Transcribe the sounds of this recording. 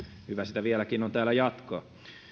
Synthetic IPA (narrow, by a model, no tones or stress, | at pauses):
hyʋæsit̪æʋielækinont̪æːlæjɑt̪ko̰ː